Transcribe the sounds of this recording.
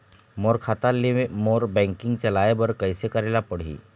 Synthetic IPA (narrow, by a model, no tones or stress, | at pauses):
moɾkʰat̪alːimoɾbɛ̃ŋkiŋɡt͡ɕalajebəɾkəjsekəɾelapəɽ̤ḭː